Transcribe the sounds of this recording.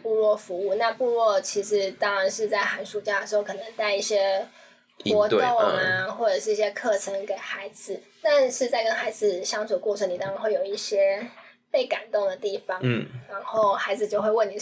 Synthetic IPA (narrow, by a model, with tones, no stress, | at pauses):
pu˥˧lwɔ˥˩fu˧˥u˥˧na˥˧pu˥˧ɻwɔ˥˩t͡ɕʰi˧˥ʂɻ̩˧˥t̪ɑ˥ŋɻa˧˦nʂɻ̩˥˧t͡sa˥˩ɪxa˧˥nʂu˨˥˩t͡ɕja˥˩d̪ə˨˩ʂɻ̩˧˥xo˥˩ʊkʰɤ˨˩nə˧˦ŋt̪a˥˧ɪi˥˩ɕjɛ˥ | xwɔ˧˥t̪o˥˩ŋa˨˦xwɔ˥˩ʈ͡ʂɤ˨˩ʂɻ̩˥˧i˥˩ɕjɛ˥kʰɤ˥˩ʈ͡ʂʰə˧˥ŋke˨˩ɪxa˧˥ɪd͡zɹ̩˨˩ | t̪a˥˧nʂɻ̩˥˧t͡sa˥˩ɪkə˦˥nxa˧˥ɪd͡zɹ̩˨˩ɕjɑ˥ŋt͡sʰu˨˩əkɔ˥˩ə˧˥ni˨˩t̪ɑ˥ŋɻa˨˧nxwe˥˩ɪjo˨˩ʊi˥˩ɕjɛ˥ | pe˥˩ɪka˨˩nt̪ʊ˥˩ŋd̪ə˩t̪i˥˩fɑ˩ŋɻa˧˥nxo˥˩ʊxa˧˥ɪd͡zɹ̩˨t͡ɕjo˥˧ʊxwe˥˧ɪwə˥˩ni˨˩